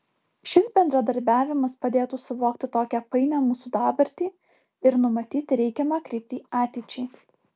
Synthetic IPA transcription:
ʃʲɪsbʲɛnd̪ɾɐd̪ɐɾʲbʲæːʋʲɪmɐspɐd̪ʲeːt̪uːsʊʋoːk̚t̪ʲɪt̪oːkʲæpɐɪnʲæːmuːsuːd̪ɑːbɐɾʲt̪ʲiː | ɪɾnʊmɐt̪ʲiːt̪ʲɾʲɛɪkʲɛmɐkɾʲɪːp̚ʲt̪ʲiːɑːt̪ʲɛɪt͡ʃʲɛɪ

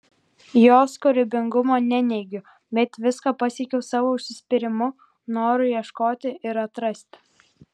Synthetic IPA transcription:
joːskʊɾʲɪbʲɪŋɡʊmoːnʲɛnʲɛɪɡʲʊ | bʲɛt̪ʋʲɪskɑːpɑsʲiɛkʲɛʊsɑːʋoːʊʃʲsʲɪsʲpʲɪɾʲɪmʊ | noːɾʊjiɛʃkoːt̪ʲɪʔɪɾɐt̪ɾɐsʲt̪ʲ

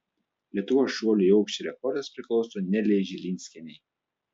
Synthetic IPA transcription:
lʲiɛt̪ʊʋoːsʃuɔlʲʊiɒʊkʃʲt͡ʃʲɛɾʲɛkɔɾd̪ɐspʲɾʲɪklˠɒʊsoːnʲɛlʲɛɪʒʲɪlʲinʲsʲkʲɛnʲɛɪ

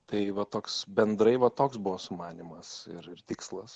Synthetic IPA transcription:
t̪ɐɪʋɐt̪oːksbʲɛnd̪ɾɐɪʋɐt̪oːksbʊʋoːsʊmɑːnʲimɐsɪɾɪrt̪ʲɪkslˠɐs

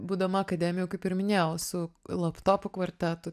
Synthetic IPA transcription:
buːd̪ɐmɐɐkɐd̪ʲæːmʲɪjʊkɐɪpɪɾmʲɪnʲesʊlˠɐpt̪oːpʊkʋɐɾʲt̪ʲæt̪ʊ

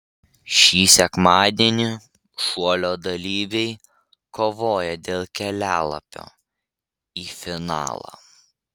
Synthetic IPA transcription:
ʃʲiːsʲɛkmɑːd̪ʲeɛnʲɪ | ʃuɔlʲoːd̪ɐlʲiːʋʲɛɪ | koːʋoːjɛd̪ʲeːlˠkʲɛlʲæːlˠɐ̰pʲo̰ː | iːfʲɪnɑ̰ːlˠɑ̰ː

